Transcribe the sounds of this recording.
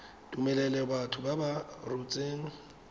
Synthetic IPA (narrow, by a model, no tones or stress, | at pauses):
tʼumɛlɛlɛbatʰʊbabarut͡sʼeːŋ̩